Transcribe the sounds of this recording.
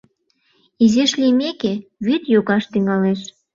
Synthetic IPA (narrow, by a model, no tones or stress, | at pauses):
izeʃlimekeβyt̪joɣɑʃt̪yŋɑleʃ